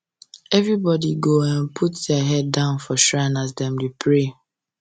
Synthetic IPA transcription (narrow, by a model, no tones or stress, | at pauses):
ɛvɹibɔdiɡoãnpʰutdəɦɛddãʊ̃nfɔʃɹãnasdɛ̃mdupʰɹe